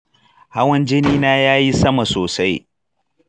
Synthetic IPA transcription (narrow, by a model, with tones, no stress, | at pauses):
ha˦wɐ˦nd͡ʒɪ˦niː˦naː˦jaː˦ji˦sɐ˦ma˨soː˨sa˦j